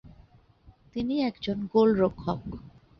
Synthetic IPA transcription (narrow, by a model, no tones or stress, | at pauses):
t̪iniɛkd͡ʑonɡolɾokʰːɔk